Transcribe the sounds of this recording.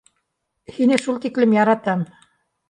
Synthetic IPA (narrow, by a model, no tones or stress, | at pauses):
hinɘʃulˠt̪iklɘmjɑɾɑt̪ɑm